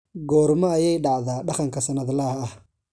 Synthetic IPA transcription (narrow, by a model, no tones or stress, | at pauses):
ɡɔːɾmɐːjɛjɖɑʕðaːɖɑqɑŋkʰɐsɐnɐðlɐhɐɐh